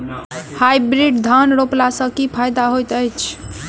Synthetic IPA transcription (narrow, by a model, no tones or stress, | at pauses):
hajbɾiɖd̪ʱanɾoplasə̃kipʰajd̪aɦojt̪əjt͡ʃʰ